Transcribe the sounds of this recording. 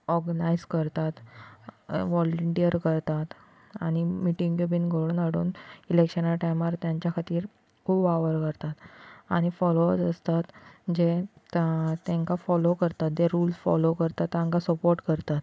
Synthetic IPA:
ɔɾɡənajzkəɾt̪at̪ | ʋɔləɳʈijəɾkəɾt̪at̪ | a̰ɽ̃imiʈĩŋkebinɡʱoɭənəɽṵːnilekɕənaʈajmaɾt̪jaɲt͡ɕjakʰat̪iːɾ | kʰuːbaʋəɾkəɾt̪at̪a̰ɽ̃ifɔloət̪əst̪at̪d͡ʑe | t̪ːẽŋkafɔlokəɾt̪at̪̚d͡ʑeɾuːlsfɔ̰lokəɾt̪at̪ːãŋkasəpoɾʈkəɾt̪at̪

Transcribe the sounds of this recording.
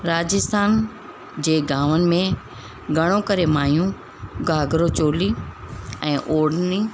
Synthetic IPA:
ɾaːd͡ʑɪst̪ʰaːn | d͡ʑeːɡaːʋənɪ̆mẽ | ɡʱɐɽ̃okɐɾemaːjũ | ɡaːɡɾot͡ɕoːli | ɛ̃ːʔoːɽni

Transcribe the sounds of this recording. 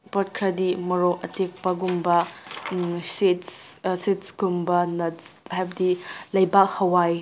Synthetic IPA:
pɐt̚kʰɾɐdimɐɾoʔɐtek̚pɐɡumbɐ | sitssitsɡ̥umbɐnɐhajbɐdilɐjbak̚hɐwaj

